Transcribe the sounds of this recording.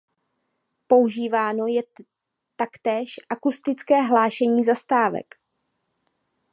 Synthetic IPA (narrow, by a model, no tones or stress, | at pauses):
po̞uʒiːvaːno̞jɛ | t̪akt̪ɛːʃʔakust̪ɪt͡skɛːɦlaːʃɛɲiːzast̪aːvɛ̰k